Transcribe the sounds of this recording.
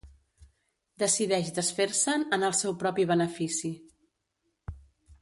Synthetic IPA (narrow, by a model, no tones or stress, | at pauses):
d̪əsiðɛʃd̪əsfeɾsənənəlˠsɛwpɾɔpiβ̞ənəfisi